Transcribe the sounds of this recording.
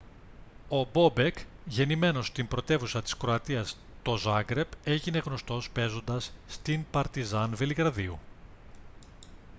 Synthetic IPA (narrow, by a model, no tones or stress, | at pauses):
o̞bo̞be̞kʝe̞nime̞no̞st̪imbɾo̞t̪e̞vusɐt̪i̥skɾoɐt̪iɐs | t̪o̞zɐɡɾe̞pe̞ʝine̞ɣno̞st̪o̞spe̞zo̞nd̪ɐsːt̪impɐɾt̪izɐnveliɣɾɐðiu